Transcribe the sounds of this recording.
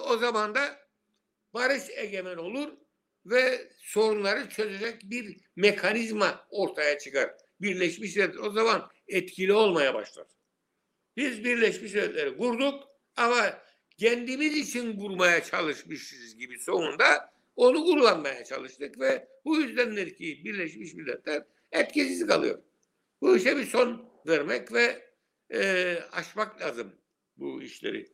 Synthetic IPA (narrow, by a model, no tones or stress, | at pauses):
o̞zamand̪a | baɾɯʃeɟemæno̞lˠuɾ | vɛ | so̞ɾunlˠaɾɯt͡ʃʰø̞ze̞d͡ʒɛc̚biɾ | mekʰanizmao̞ɾt̪ʰajat͡ʃʰɯ̥kaɾ | biɾlʲɛʃmiʃlɛt̪lʲɛo̞zaman | ɛt̪cʰilʲio̞lˠmajaba̰ʃlˠa̰d̪̥ɯ̥ | bizbiɾlʲɛʃmiʃɛt̪lʲeɾiɡuɾd̪uk | ama | cʰɛnd̪imizit͡ʃʰinɡuɾmajat͡ʃʰalˠɯʃmɯʃɯzɟibiso̞nund̪a | o̞nuuɾlˠanmajat͡ʃʰa̰lˠɯʃt̪ɯkvɛ | bujyzd̪ænlʲɛɾcʰibiɾlʲɛʃmiʃmilʲːɛ̰t̪ʰlʲæɾ | ɛt̪cisizikʰalˠɯ̰jo̞̰ɾ | buiʃɛbiso̞n | vɛɾmɛcvɛ | aʃmaklʲaːzɯm | bṵḭʃlʲḛɾḭ